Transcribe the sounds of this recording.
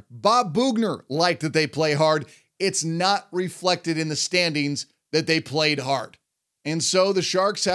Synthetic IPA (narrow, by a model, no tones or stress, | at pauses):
bɑbuɡnə˞laɪk̚ðɨt̪̚ðeɪpʰl̥eɪɦɑɹɾ | ɪtsnət̚ɹɪflɛk̚tɨɾɨ̃nðɨstæ̃ndɪ̃ŋz | ðɨt̪̚ðeɪpʰl̥eɪd̚ɦɑɹd | ɨ̃nsoʊðɨʃɑɹkshɨ